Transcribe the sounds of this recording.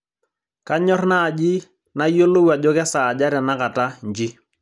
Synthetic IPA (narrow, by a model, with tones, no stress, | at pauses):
ka˦ɲɔ˦rna˦˨d͡ʒi˦ | na˦jo˦lo˦wa˨d͡ʒɔ˦kɛ˦sa˨d͡ʒa˦ɾa˨na˦ka˨ta˦ɲd͡ʒi˦